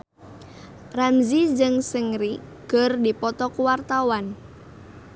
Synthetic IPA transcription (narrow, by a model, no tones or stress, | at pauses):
ramzid͡ʒɨŋsəŋɾi | kərdipɔt̪ɔkuwart̪awan